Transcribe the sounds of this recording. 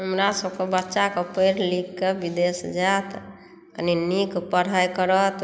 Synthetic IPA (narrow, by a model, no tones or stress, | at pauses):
ɦəmɾasəbkebətːʃakepəjɾlikːebid̪esd͡ʒat̪ | kəninikpəɽ̤ajkəɾət̪